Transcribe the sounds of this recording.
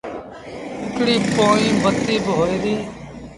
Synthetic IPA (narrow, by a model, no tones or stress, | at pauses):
ɪkɽiːpoːĩːmət̪ːiːbɦoːeːɾiː